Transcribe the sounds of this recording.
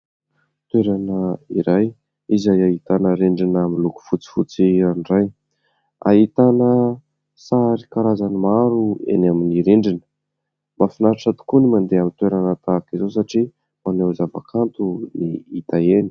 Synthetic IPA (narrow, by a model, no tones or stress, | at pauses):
t̪weɾanəiɾaj | izajaɦit̪anəɾeɳɖ͡ʐinaminluku̥fut͡si̥fut͡sianraj | a̰ɦit̪anə | saɾikaɾazanimaɾuḛnaminiɾeɳɖ͡ʐinə | mafinaɾʈ͡ʂat̪i̥kunimand̪eamint̪weɾanət̪akizos̬aʈ͡ʂi | manewzava̰kʰant̪uniit̪aeni̥